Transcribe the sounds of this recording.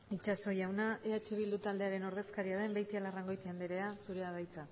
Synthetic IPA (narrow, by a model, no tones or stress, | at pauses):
it͡ʃaso̞jawnaʔeat͡ʃeβ̞ild̪ut̪ald̪e̞aɾe̞no̞ɾðe̞skaɾiað̞e̞mbejt̪ialaraŋɡo̞jt̪iand̪eɾe̞asuɾeaβajt͡sa